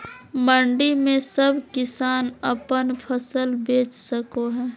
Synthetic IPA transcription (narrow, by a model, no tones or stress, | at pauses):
məɳɖimẽsəbʱkɪsaːnəpənpʰəsəlbeːt͡ʃsəkoɦɛː